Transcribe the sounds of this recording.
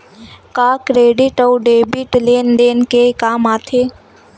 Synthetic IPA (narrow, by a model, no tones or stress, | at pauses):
kakɾeːɖiʈəwɖebiʈlend̪enkekaːmaːt̪ʰe